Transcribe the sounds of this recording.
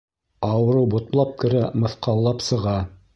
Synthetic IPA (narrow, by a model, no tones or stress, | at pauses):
ɑwɤ̆ɾɤwbŏt̪lˠɑp̚kɘ̆ɾæmɤ̆θqɑlˠːɑpsɤ̆ʁɑ